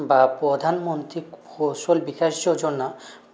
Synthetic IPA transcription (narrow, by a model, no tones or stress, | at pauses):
bapɾɔd̪ʱanmont̪ɾikoʃolbikaʃd͡ʑod͡ʑonːa